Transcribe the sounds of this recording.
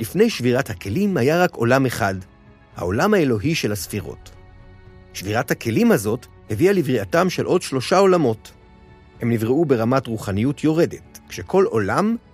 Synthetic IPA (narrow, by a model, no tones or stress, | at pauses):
lifne̞jʃviʁathake̞limhajaʁako̞̰lame̞χad | ha̰o̞lamhae̞lo̞ɦiʃe̞lhasfiʁo̞̰t | ʃviʁathake̞limhazo̞t | hevialivʁiatamʃe̞lʔo̞dʃlo̞ʃao̞lamo̞t | he̞mnivʁeube̞ʁamatʁuχanijutʰjo̞ʁe̞de̞tkʃe̞kʰo̞lo̞lam